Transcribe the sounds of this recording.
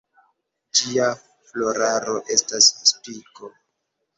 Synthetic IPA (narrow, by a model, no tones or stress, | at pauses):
d͡ʒia | flo̞ɾaɾo̞ʔe̞stasspiko̞